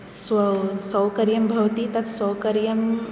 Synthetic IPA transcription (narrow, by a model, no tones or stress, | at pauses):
ssɐwkɐɾjɐmbʱɐʋt̪it̪ɐt̪ʰsɐwkɐɾjɐm